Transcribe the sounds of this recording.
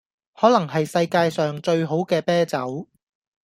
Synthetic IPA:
hɔː˨˥lɐ˨˩ŋɦɐ˨jsɐ˧jkaː˧jsœː˨ŋt͡ʃɵ˧ɥɦo˨˥wkɛː˧pɛː˥t͡sɐ˨˥w

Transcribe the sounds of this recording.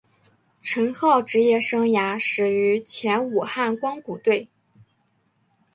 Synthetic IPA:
ʈ͡ʂʰə˧˥nxɑ˥˩ʊʈ͡ʂɻ̩˧˥jɛ˥˩ʂɤ˥ŋja˧˥ʂɻ̩˨˩y˧˥t͡ɕʰjɛ˧˥nu˨˩xa˥˩nkwɑ˥ŋku˨˩t̪we˥˩ɪ

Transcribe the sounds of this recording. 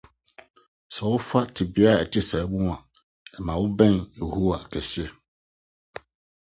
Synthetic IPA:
sɛ˨wʊ˦fa˦tʰɪ˨bɪ˨˦a˦˨ɛ˨tʰɪ˦sɛ˨˦bũ˦˨ã˨ | ɛ˨mã˨wʊ˦bɛ̃˦njo˨hu˦wa˨kʰɛ˨si˦ɛ˨

